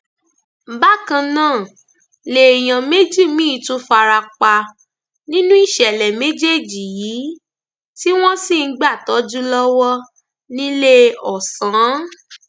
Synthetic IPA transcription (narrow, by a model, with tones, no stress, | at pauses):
ba˦kã˧nãː˦˨ | le˨j̃ã˨me˦d͡ʒi˦˨mĩ˦˧˨tu˦fa˧ɾa˧k͡pa˧ | nĩ˦nũ˦i˦˨ʃɛ˨lɛ˨me˦d͡ʒe˦˨d͡ʒi˨jiː˨˦ | ti˦w̃ɔ̃˦si˦˨˦ɡ͡ba˦˨tɔ˨˦d͡ʒu˦lɔ˦wɔ˦ | nĩ˦le˦ɔ˨sã˨˦